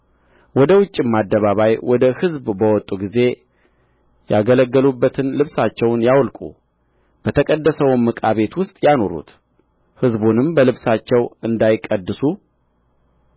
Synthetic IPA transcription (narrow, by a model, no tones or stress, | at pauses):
wɔd̪əwʊt͡ʃʼːimad̪ːəβaβajwɔd̪əhɨzbbəwɔt̪ʼuɡize̞ | jaɡələɡːəlubːət̪ʰɨnlɨβsat͡ʃːɛwnjawlkʼṵ | b̥ət̪ʰəkʼəd̪ːəsəwmːɨkʼaβe̞t̪wʊst̪ʼjano̞ɾṵt̪ | hɨzbunɨmbəlɨβsat͡ʃːɛwɨnd̪ajkʼːəd̪ːɨsu